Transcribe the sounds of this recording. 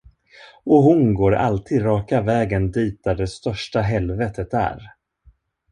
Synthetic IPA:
ɔɦʊnɡoːɾa̰lt̪ʰiːd̪ɾɑːkavɛːɡənd̪iːt̪̚d̪æɖɛst̪œʂʈaɦɛlvɛːt̪ʰət̪æ̰ɾ

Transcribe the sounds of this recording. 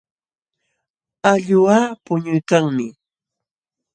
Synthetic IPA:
aʎʊwaːpʊɲʊjkaŋmɪ

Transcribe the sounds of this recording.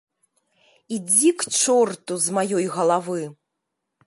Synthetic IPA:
id͡zʲikt͡ʂɔrt̪uzmajɔjɣɐlˠavɨ

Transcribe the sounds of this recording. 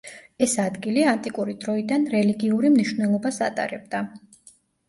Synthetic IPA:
ɛsad̪ɡiliant̪ʼikʼuɾid̪ɾɔid̪anɾɛliɡiuɾimniʃwnɛlˠɔbasat̪ʼa̰ɾɛb̚d̪a

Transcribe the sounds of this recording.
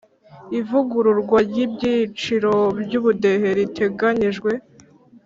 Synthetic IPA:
ivuɡuɾuɾɡwaɾɟibɟit͡ʃiɾo̞bjuβude̞he̞ɾitʰe̞ɡaɲiʒɡwe̞

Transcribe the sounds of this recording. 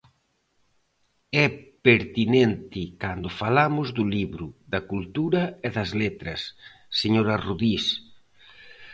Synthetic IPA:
ɛpeɾt̪inent̪ɪkand̪ʊfalamʊzðʊliβɾʊðɐkult̪uɾɐeðɐzlet̪ɾɐ̰sː | eɲoɾɐruðis

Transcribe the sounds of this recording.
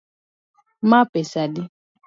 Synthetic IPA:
mapɛsadɪ

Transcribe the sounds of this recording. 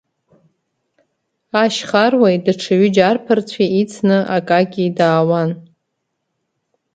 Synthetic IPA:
aʃχarwajdaʈ͡ʂʰaɥʏd͡ʒarpʰɨrt͡ɕʷʰiit͡sʰnɨʔakʼaɡʲidaːwan

